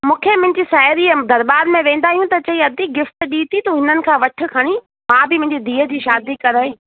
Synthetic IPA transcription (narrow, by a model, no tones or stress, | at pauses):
mũːkʰemʊ̃ɦɪ̃ɲd͡ʑisaːɪɾid̪ɐɾbaːɾmẽʋẽːn̆d̪aːɦijũt̪ɐt͡ɕɐiɐd̪iɡɪft̪ɗiːt̪it̪uɦɪnənɪ̆kʰãːʋɐʈʰʊ̆kʰɐɽ̃i | mãːbɪmʊ̃ɦɪɲd͡ʑid̪ʱiːə̆d͡ʑiːʃaːd̪ikɐɾaːe